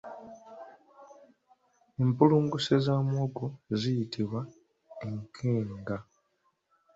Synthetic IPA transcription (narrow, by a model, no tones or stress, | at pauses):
empuluːŋɡusezamwoɡozijitʰiβwa | eŋkʰeːŋɡa